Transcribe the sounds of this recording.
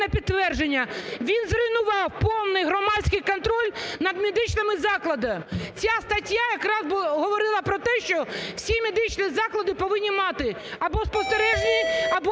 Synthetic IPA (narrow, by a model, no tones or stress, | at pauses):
nɛpʲid̪̚t̪ːʋɛrd͡ʒenʲːɐʋʲinzrɪjnʊʋɑwpɔwnɪjɦɾɔmɑt͡ssʲkɪjkɔnt̪ɾɔlʲnɐd̪mʲed̪ɪt͡ʃnɪmɪzɑklˠɐd̪ɐt͡sʲast̪ɐtʲjajɐkɾɑzbɦɔʋɔɾɪlˠɐpɾɔt̪ɛʃt͡ʃɔwsʲimʲed̪ɪt͡ʃnizɑklˠɐd̪ɪpɔʋɪnʲːimɑt̪ɪ | ɐbɔspɔst̪eɾɛʒnʲiɐbɔ